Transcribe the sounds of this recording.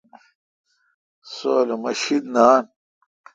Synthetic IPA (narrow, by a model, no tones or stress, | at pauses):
soːlomɐɕid̪naːn